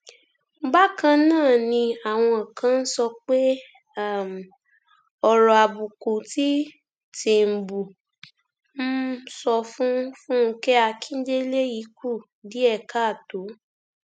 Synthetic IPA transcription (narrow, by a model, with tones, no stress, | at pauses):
ŋ͡m̩˦ɡ͡ba˦kã˧nãː˦˨nĩ˧a˨w̃ɔ̃˧˨kʰã˧˦n̩˦sɔ˧k͡pe˦˨ | m˨ | ɔ˧ɾɔ˨a˨bu˨ko˨ti˦ | ti˨m̩˨bu˨ | m̩˦sɔ˧fũ˦fũ˦ŋ̩˦kɛ˦a˧kʰĩ˦d͡ʒe˦le˦ji˨˦ku˦˨ | di˨˦ɛ˦˨ka˦˨to˨˦